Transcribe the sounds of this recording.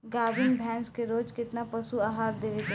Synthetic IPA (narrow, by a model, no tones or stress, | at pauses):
ɡaːbɪŋɡbʱɛ̃ːnskeɾoːd͡ʒkɪt̪napəsuaːɦaːɾd̪eːʋet̪e